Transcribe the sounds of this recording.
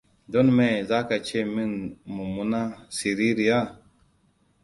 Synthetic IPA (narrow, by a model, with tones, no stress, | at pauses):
do˦nme˨za˦ka˨t͡ʃe˦mi˦nmu˨mu˦na˦si˨ɾi˦ɾi˨ja˦˨